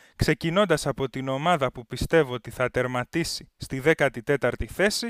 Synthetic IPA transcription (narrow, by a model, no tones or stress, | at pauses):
kse̞cino̞nd̪ɐsɐpo̞t̪ino̞mɐðɐpupist̪e̞voot̪iθɐt̪e̞ɾmɐt̪isist̪iðe̞kɐt̪it̪e̞t̪ɐɾt̪iθe̞si